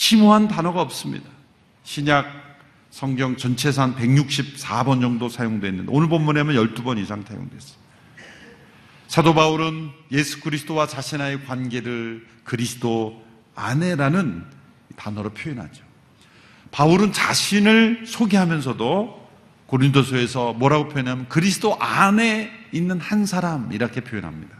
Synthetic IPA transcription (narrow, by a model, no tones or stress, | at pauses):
ɕʰimuɦantanʌɡaʌp̚s͈ɯmɲḭda | ɕʰiɲak̚ | sʰʌŋɡjʌŋt͡ɕʌnt͡ɕʰe̞s̬ʰanpe̞ɡɲuk̚ɕ͈ʰip̚s͈ʰabʌnd͡ʑʌŋdosʰajoŋdowenːɯndeonɯɭbomːuneamjʌnjʌɭt͈ubʌnisʰaŋtʰa̰jo̰ŋdwes͈ɯ̥md | sʰadobauɾɯnje̞sʰu̥kɯɾisʰɯ̥tʰowat͡ɕaɕʰinaekwanɡe̞ɾɯɭ | kɯɾisʰɯ̥do | a̰ne̞ɾanɯn | ipanʌɾopʰjoinɦa̰d͡ʑo̥ | pauɾɯnt͡ɕaɕʰinɯɭsʰoɡiɦamjʌns̬ʰʌdo | koɾintʰosʰoe̞sʰʌmwʌɾaɡopʰjoinɦamjʌnkɯɾisʰɯ̥toʔane̞inːɯnhansʰaɾamiɾakʰe̞pʰjoinɦa̰mɲida